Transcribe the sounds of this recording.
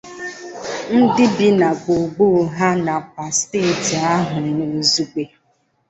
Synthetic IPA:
n̩˦dɪ˦bi˦na˨ko˨ɡ͡bo˦˨˦ɦa˦na˨p̚a˨steː˦˨ti˨a˦ɦʊ˨no˨zu˦k͡pe˨

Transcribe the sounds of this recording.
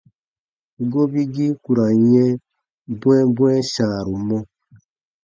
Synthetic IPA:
ɡo˦bi˦ɡi˦ku˨ɾa˨ɲɛ̃˦ | bwɛ̃˦bwɛ̃˦ʃãː˨ɾu˨mɔ̃˦

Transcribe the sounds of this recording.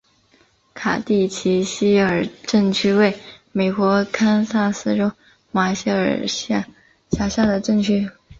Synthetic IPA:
kʰa̰˨˩t̪i˥˩t͡ɕʰi˧˥ɕi˥ə˞˨˩ʈ͡ʂə˥˩ŋt͡ɕʰy˥we˥˩ɪme˨˩ɪkwɔ˧˥kʰa˥nsa˥˩sɹ̩˥˧ʈ͡ʂo˥ʊ | ma˧˥ɕə̰˞˨˩ɕ | ɕja˧˥ɕja˥˩d̪ə˩ʈ͡ʂɤ˥˩ŋt͡ɕʰy˥

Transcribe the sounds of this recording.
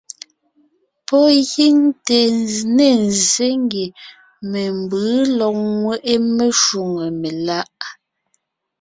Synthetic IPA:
pɔ˦ɣi˦ŋte˨ne˦˨n˨ze˦ŋ˦ɡe˨ | me˨m˨bɯː˨˦lɔ˨k̚ŋwɛ˦˨ʔe˦me˦ʃu˨ŋe˨me˨la˦ʔ

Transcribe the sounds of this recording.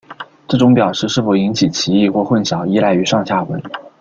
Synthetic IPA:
ʈ͡ʂɤ˥˩ʈ͡ʂʊ˧˥ŋpjɑ˨˩ʊʂɻ̩˥˧ʂɻ̩˥˩fo˧˩ʊi˧˥ŋt͡ɕʰi˨˩t͡ɕʰi˧˥i˥˧xwɔ˥˧xwə˥˩nɕjɑ˨˩ʊi˥˧la˥˩ɪy˧˥ʂɑ˥˧ŋɕja˥˩xwə̰˧˥ɪ

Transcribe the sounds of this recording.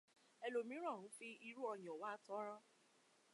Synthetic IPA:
ɛ˨lo˨mĩ˨˦ɾ̃ɔ̃˦˨ũ˨˦fi˧i˧ɾu˦ɔ˧j̃ɔ̃˨wa˦tɔ˨˦ɾɔ̃˦

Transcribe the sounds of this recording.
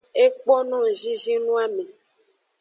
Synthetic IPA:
e˦k͡po˦nɔ̃˦˨ʒi˦ʒi˦nũ˦a˦mẽ˨

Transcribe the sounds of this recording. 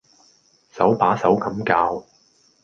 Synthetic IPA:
sɐ˨˥wpaː˨˥sɐ˨˥wkɐ˨˧˥mkaː˧w

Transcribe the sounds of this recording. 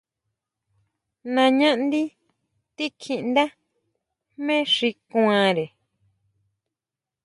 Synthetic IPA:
nã˧ɲã˦ʔnd̪i˦ | t̪i˦kʰi˧ʔnd̪a˦ | mẽ˦ʂi˧kw̃ã˧ɾe˨

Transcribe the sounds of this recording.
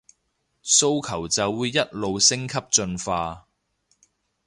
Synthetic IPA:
so˥wkʰɐ˨˩wt͡sɐ˨wːuː˨˧jːɐ˥t̚lo˨wsɪ˥ŋkʰɐ˥p̚t͡ʃɵ˧nfaː˧

